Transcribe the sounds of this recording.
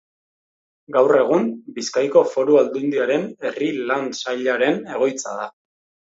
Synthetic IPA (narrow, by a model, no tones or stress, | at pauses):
ɡawre̞ɣ̞umbiskajko̞fo̞ɾuald̪und̪iaɾe̞ne̞rilansaʎaɾe̞ne̞ɣ̞o̞jt͡sa̰ð̞a